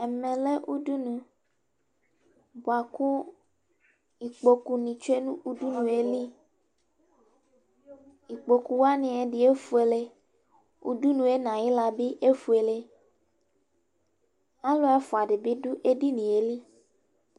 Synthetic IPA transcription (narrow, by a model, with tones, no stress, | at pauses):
e˨mẽ˨le˦ʔu˦du˦nũ˨ | bo˨a˨kũ˦ | i˨k͡po˦ku˦nĩ˨t͡ʃo˦e˦nũ˦u˦du˦nũ˨e˦li˦ | i˨k͡po˨ku˦wa˦nĩ˨e˨ɖi˦e˦fu˦e˨le˦ | ṵ˦du˦nũ˨e˦nã˨ji˦la˨bi˦ʔe˦fu˨e˨le˦ | a˦lo˦ɛ˦fɔ˨a˨ɖe˨be˦ɖu˦ʔe˦ɖi˦nĩ˨e˨li˦